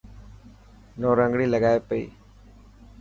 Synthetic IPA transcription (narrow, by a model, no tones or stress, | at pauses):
noːɾəŋɡɽiːləɡaːeːpəḭː